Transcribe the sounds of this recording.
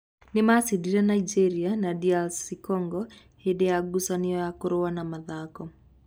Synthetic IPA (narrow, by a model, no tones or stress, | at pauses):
nɪmasidiɾanaid͡ʒɛɾianadialsikɔŋɡɔ | hedɛjaɡusaniɔjakoɾowanamaðakɔ